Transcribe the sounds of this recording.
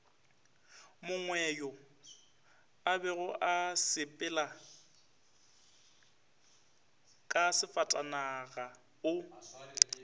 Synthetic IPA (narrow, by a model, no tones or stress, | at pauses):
mʊŋwɛjɔ | abɛɣʊʔasɪpʼɪla | kʼasɪfatʼanaɣa | ʊ